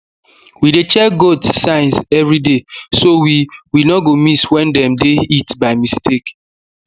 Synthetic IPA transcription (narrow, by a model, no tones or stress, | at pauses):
widet͡ʃɛɡotsːãɪ̃nsɛvɾidesowiwinɔɡomiswɛ̃ndɛ̃mdeitbaɪmistʰek